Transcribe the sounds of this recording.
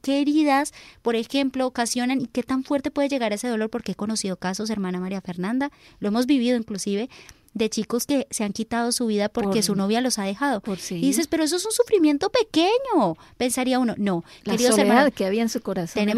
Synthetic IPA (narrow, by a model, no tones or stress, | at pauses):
ke̞ːɾiðaspo̞ɾe̞xe̞mplo̞ːkasjo̞nanike̞t̪aɱfwe̞ɾt̪e̞pwe̞ð̞eʝe̞ɣaɾae̞se̞ð̞o̞lo̞ɾpo̞ɾkeeko̞no̞siðo̞kaso̞s̬e̞ɾmanamaɾiafe̞ɾnãnd̪alo̞e̞mo̞zbiβiðo̞iŋklusiβe̞ | d̪e̞t͡ʃiko̞ske̞se̞aŋkit̪að̞o̞suβ̞iðapoɾkesuno̞βjalo̞sað̞e̞xaðo̞psðis̬e̞speɾoes̬oe̞s̬unsufɾimje̞nt̪o̞pe̞ke̞ɲo̞ | pe̞nsaɾiauno̞no̞keɾiðoɾaaðkeaβiaensukoɾasot̪ene